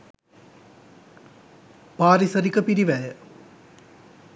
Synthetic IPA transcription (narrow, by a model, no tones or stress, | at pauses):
paːɾisɐɾikːɐpiɾiʋejɐ